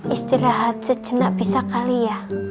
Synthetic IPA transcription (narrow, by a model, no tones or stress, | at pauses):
ʔist̪ilaɦat̪̚sət͡ʃənaʔbisakalija